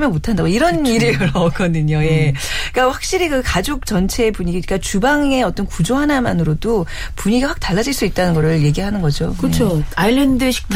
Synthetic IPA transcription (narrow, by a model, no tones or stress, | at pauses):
mjʌnmotʰandaɡoiɾʌniɾɯɯɾʌk͈ʌdɯɲoje̞k͈aɸwak̚ɕ͈iɾikɯkad͡ʑok̚t͡ɕʌnt͡ɕʰe̞puɲiɡik͈at͡ɕubaŋe̞ʌt͈ʌnkud͡ʑoɦanamanɯɾodo | puɲiɡiɸwak̚taɭːad͡ʑiɭs͈uit̚t͈anɯnɡʌɾɯɭje̞ɡiɭɦanɯnɡʌd͡ʑokɯt͡ɕʰoailːendɯɕʰi̥k̚tʰ